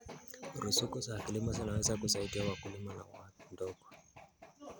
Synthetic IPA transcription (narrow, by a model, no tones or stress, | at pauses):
ɾusukɔzakilimazinawɛzakusaidiawakulimana̰wandɔkɔ